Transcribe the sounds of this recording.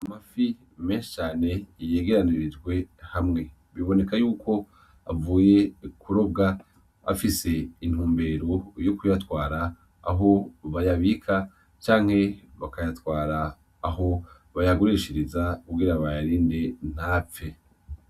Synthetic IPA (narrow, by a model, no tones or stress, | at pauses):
amafi | me̞ːnʃe̥t͡ʃaːne̞jeːɡe̞ɾaniɾid͡ʒɡwe̞hamŋe̞ | βiβo̞ne̞kajuːkʰo̞ | a̰vuːje̞kʰuɾo̞b̚ɡa | a̰fise̞in̥huːmbe̞ːɾo̞jokujatwaːɾa̰ː | ɦo̞βajaβikʰa | t͡ʃaːŋ̥he̞βakajatwaːɾaː | ho̞ | βajaɡoɾeʃiɾizakuɡiɾaβajaɾiːnde̞n̥haːp͡fe̞